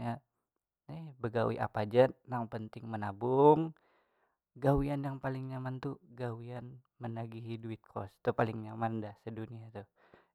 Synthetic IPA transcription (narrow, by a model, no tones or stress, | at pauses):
ɲa | nihbəɡawḭʔa̰pad͡ʒanaŋpənt̪ɪŋmənabʊŋ | ɡawianjaŋpalɪŋɲamant̪uɡawian | mənaɡiɦiduɪt̪̚kʰɔ̰st̪upalɪŋɲamandahsəduniat̪u